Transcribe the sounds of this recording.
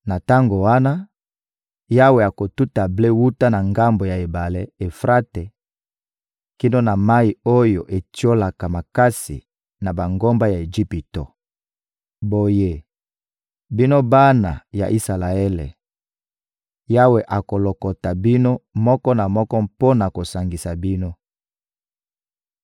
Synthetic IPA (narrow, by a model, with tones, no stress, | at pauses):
na˨ta˦ŋɡo˨wa˦na˦ | ja˦we˨a˨ko˨tu˦ta˨ble˦wu˦ta˦na˨ŋɡa˦mbo˨ja˨e˨ba˨le˦e˨fʁa˦te˨ | ki˦no˦na˨ma˦i˨o˦jo˨ʔe˨ti˦o˦la˨ka˨ma˨ka˦sḭ˨ | na˨ba˨ŋɡo˦mba˦ja˨e˨d͡ʒi˦pi˨to̰˨ | bo˨je˦ | bi˦no˦ba˦na̰˨ja̰˨ʔi˦sa˨la˨ɛ˦lḛ˨ | ja˦we˨ʔa˨ko˨lo˨kɔ˨ta˨bi˦no˦mɔ˦kɔ˦na˨mɔ˦kɔ˦mpo˦na˨ko˨sa˨ŋɡi˨sa˨bi˦no˦